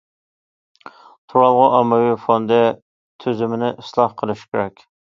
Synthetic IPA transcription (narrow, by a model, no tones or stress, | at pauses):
t̪ʰuɾɑlˠʁʊʔɑmːɛwifond̪ɛ | t̪ʰøzɪmɪnɪʔislˠɑhqʰəlˠɨʃkʲeɾɛkʲ